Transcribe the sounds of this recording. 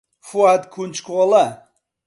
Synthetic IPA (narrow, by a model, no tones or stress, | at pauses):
fuad̪kʰunt͡ʃkolˠa